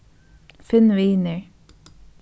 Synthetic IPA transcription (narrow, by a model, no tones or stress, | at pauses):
fɪnʋineɹ